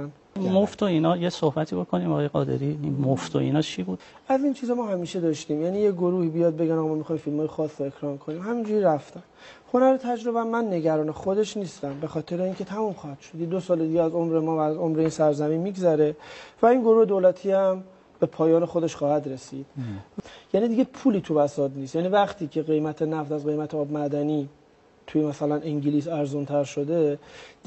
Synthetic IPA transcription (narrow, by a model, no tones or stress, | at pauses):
n | moft̪ʰoiːnɒːjesohbæt̪ʰiːbokʰoniːmɒːɒːjeɣɒ̰ːd̪ḛɾiinmoft̪ʰo̰ḭnɒːt͡ʃʰibuːd̪̥ | æzint͡ʃʰiːzɒmɒːhæmiːʃe̞d̪ɒːʃt̪iːmjæːnijeɡoɾuːhiːbijɒːd̪̚be̞ɟænɒɣmɔːmixɒːjimfilmɒːjexɒːsːoe̞kʰɾɒːnkʰoniːmhæmind͡ʒuɾiɾæft̪æn | honæɾet̪ʰæd͡ʒɾo̞bæmːænːe̞ɟæɾɒːne̞xod̪e̞ʃniːst̪æmbe̞xɒːt̪ʰe̞ɾeiːŋcʰe̞t̪ʰæmuːmxɒːhæd̪ʃod̪jed̪osɒːled̪iːɡeæzo̞mɾe̞mɒːvæːzo̞mɾe̞insæɾzæminmiɡzæɾe̞væinɡo̞ɾuːhed̪oːlæt̪ʰiːæm | b̥e̞pʰɒːjɒːne̞xo̞d̪e̞ʃxɒːhæd̪ɾe̞sḭd̪̥ | jæːnid̪iːɟepʰuːliːt̪ʰuvæsɒːd̪nist̪jænivæχt̪ʰiːcʰe̞ɣe̞jmæt̪ʰenæft̪æzɣe̞jmæt̪ʰeɒːbmæd̪æniː | t̪ʰujemæsælæniŋɟiliːs̬æɾzunt̪ʰæɾʃod̪e̞d̪